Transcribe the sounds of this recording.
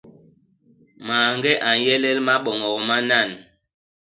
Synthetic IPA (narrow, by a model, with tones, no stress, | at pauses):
maː˨ŋɡɛ˦ʔa˨n˨jɛ˦lɛ˦lma˦ɓɔ˨ŋɔ˨kma˦na˦˨n